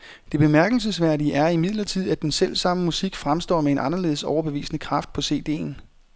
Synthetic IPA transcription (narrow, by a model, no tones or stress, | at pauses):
d̥e̝b̥e̝mæɐɡ̥l̩s̬əsʋæɐ̰diəʔæɐimið̞̰ˠlɐt͡sʰið̞̰ˠæd̥ensel̰sɑ̈məmusiɡ̥fʁamsd̥ɒ̰ːmee̝nʔɑ̈nɐle̝ːðˠsɒʊɐb̥e̝ʋḭːsənəkʰʁɑ̈fd̥̚pʰɒ̽se̝̰ːd̥e̝̰ːn̩